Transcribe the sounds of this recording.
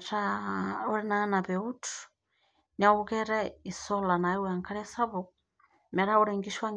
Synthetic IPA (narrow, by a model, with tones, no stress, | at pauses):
tau˦ɾɛ˦na˦na˨βɛutu̥ | na˦ukɛɾɛi˨sɔla˨na˨i˦wɛa˨ŋkʰaɾɛsa˦βɔ | mɛ˨ɾa˦uɾɛ˨ŋɡi˦ʃwa˦ŋ